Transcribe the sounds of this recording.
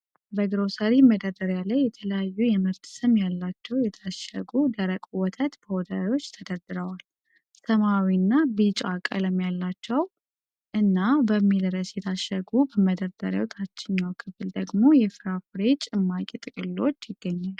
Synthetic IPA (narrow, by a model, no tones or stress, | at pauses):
bəɡɨɾo̞səɾiməd̪əɾd̪əɾjalajːɛt̪ʰələjajːujɛməɾt̪ʰsɨmjalːat͡ʃːɛwjɛt̪ʰaʃə̰ɡud̪əɾəkʼwɔt̪ʰət̪b̥əwɔd̪ajo̞t͡ʃːt̪ʰəd̪əɾd̪ɨɾəwal | səmawinːabit͡ʃʼakʼə̰ləmjalːat͡ʃːɛw | ʔɨnːabəmːilɾəsjɛt̪ʰaʃːəɡubəməd̪əɾd̪ə̰ɾḛwot̪ʰat͡ʃːɪɲːawkʰɨβɨld̪əɡmo̞jɛfɨɾafɨɾe̞t͡ʃʼɪmːakʼit̪ʼɨkʼɨlːo̞t͡ʃːjɪɡːəɲːal